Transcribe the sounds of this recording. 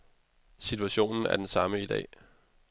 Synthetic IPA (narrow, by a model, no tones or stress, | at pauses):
sit͡sʰuæɕo̝̰ːnn̩æɐd̥ensɑ̈məid̥ɛ̰ː